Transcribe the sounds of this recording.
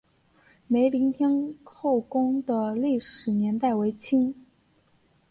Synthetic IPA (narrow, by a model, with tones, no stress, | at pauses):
me˧˥ɪli˧˥ŋt̪ʰjɛ˥nkʰo˥˩ʊkʊ˥ŋd̪ə˨li˥˩ʂɻ̩˨˩njɛ˧˥nt̪a˥˩ɪwe˧˥ɪt͡ɕʰi˥ŋ